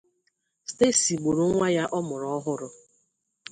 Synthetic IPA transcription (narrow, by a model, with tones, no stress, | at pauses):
ste˦˨si˨ɡ͡bo˨ɾo˦ŋŋʷa˦ja˦ʔɔ˦mʊ˨ɾɔ˦ɦʊ˦ɾʊ˦